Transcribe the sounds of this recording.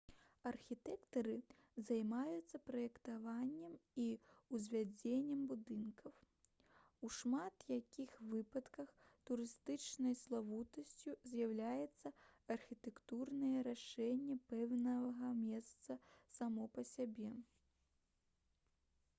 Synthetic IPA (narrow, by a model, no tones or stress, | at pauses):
ɐrxʲit̪ɛkt̪ɐɾɨ | zajmajut̪sːɐpɾɐjɛkt̪avanʲːɛmiuzʲvʲad͡zʲenʲːɛmbud̪ɨnkɐw | uʂmat̪jakʲixvɨpɐt̪kɐxt̪uɾɨst̪ɨt͡ʂnɐjslˠavut̪ɐsʲt͡sʲuzʲjawlʲajɛt̪sːɐɐrxʲit̪ɛkt̪urnɐjɛɾaʂɛnʲːɛpɛwnɐɣɐmʲɛst̪sɐsamɔpɐsʲabʲɛ